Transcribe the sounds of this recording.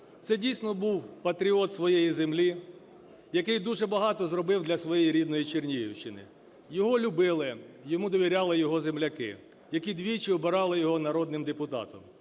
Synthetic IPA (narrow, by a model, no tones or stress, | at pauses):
t̪sɛdʲijsʲnɔbuwpɐt̪ɾʲiɔt̪sʋɔjejizemlʲi | jɐkɪjd̪uʒɛbɐɦɑt̪ɔzrɔbɪwd̪lʲɐsʋɔjɛjiɾʲid̪nɔjit͡ʃernʲijiwʃt͡ʃɪnɪ̰ | jɔɦɔlʲʊbɪlˠɪjɔmud̪ɔʋʲiɾʲɑlˠɪjɔɦɔzemlʲɐkɪ̰ | jɐkʲid̪ʲʋʲijt͡ʃɪɔbɪɾɑlˠɪjɔɦɔnɐɾɔd̪nɪmd̪epʊt̪ɑ̰t̪ɔm